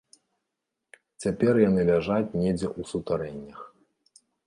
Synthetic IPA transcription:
t͡sʲapʲɛrjanɨlʲaʐat͡sʲnʲɛd͡zʲɛʔusut̪aɾɛnʲːɐx

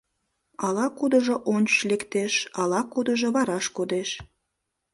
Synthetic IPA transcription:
ɑlɑkud̪əʒoʔonʲt͡ʃʃlekt̪eʃɑlɑkud̪əʒoβɑɾɑʃkod̪eʃ

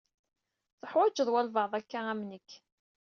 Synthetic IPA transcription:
θəħwæd͡ʒəðˤwælvəʕðˤækːaæmnəkː

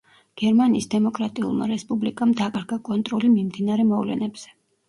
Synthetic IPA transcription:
ɡ̥ɛɾmaniːsd̪ɛmɔkʼɾat̪ʼiṵlˠma̰ɾɛspʼublikʼamd̪akʼaɾɡakʼɔnt̪ʼɾɔlimimd̪inaɾɛmɔvlɛ̰nɛbz̥ɛ̥

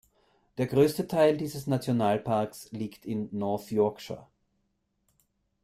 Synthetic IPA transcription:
d̥eːɐɡʁøːstətʰaɪldiːzəsnat͡sjonaːlpʰaɐksliːktʰɪnːɔɐθjɔɐkʃa̰

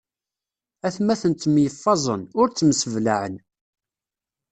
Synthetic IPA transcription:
æθmæθənt̪ːmjəfːɑzˤə̰nʊɾt͡sːmsəvlaʕən

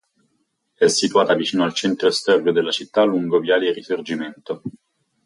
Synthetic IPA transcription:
ɛsːit̪uaːt̪avit͡ʃiːnoalt͡ʃɛnt̪ɾost̪ɔrːod̪elːat͡ʃit̪ːalːuŋɡovjaːleirisord͡ʒiment̪o

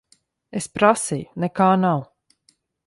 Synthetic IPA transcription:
espɾasijunɛkaːnaw

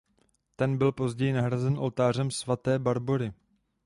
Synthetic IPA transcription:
t̪ɛnbɪlpo̞zɟɛjɪnaɦɾazɛnʔo̞lt̪aːr̝ɛmsvat̪ɛːbaɾbo̞ɾɪ

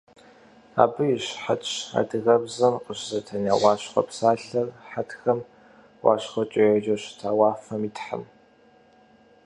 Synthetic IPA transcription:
a̰ːbɨjɪɕħat͡ʃʰa̰ːdɨɣɐbzɐmqəɕzɐtʰɐnawɑːɕχʷɔ̰psaːɮɐrħatxɐm | wɑ̰ːɕχʷɔt͡ʃʼɐjɐd͡ʒɐɕtʰaːwɑːfɐmiːtħa̰m

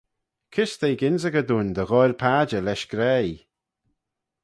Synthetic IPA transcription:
kʰɪst̪ejɡɪnzəɡəd̪uːnd̪əɣɔjɾpʰaːd͡ʒəlɛʃɡ̥ɾɛj

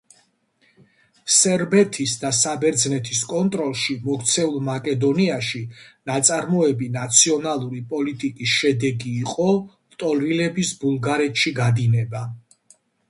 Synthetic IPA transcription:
sɛɾbɛt̪ʰisd̪asabɛɾd̪znɛt̪ʰiskʼɔnt̪ʼɾɔlˠʃimɔkt̪sʰɛulˠmakʼɛd̪ɔniaʃinat̪sʼaɾmɔɛbinat̪sʰiɔnalˠuɾipʼɔlit̪ʼikʼisʃɛd̪ɛɡiːqʼɔ | t̪ʼɔlilɛbisbulˠɡaɾɛt̪ʰʃiɡad̪inɛba

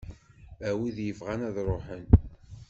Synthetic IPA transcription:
æwiðjəvʁænæðɾˤoħən

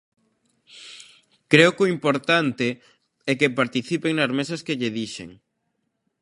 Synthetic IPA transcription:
kɾeʊkʊimpoɾt̪ant̪e | ɛkepaɾt̪iθipeŋnɐzmesɐskeʎeðiʃḛŋ

